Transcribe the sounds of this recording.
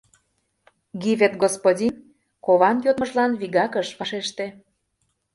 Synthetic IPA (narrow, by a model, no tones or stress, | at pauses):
ɡiβet̪ɡospodʲin | koβɑnjot̪mə̆ʒlɑnβiɣɑkəʃβɑʃeʃt̪e